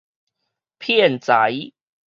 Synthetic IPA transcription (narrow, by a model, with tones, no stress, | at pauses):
pʰjɛ˥˨nt͡sa˨˦j